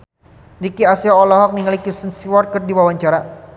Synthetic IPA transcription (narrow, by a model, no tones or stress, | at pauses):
dikiasiɔɔlɔɦɔk̚niŋalikisənsiwɔr̚kərdiwawaɲt͡ʃaɾa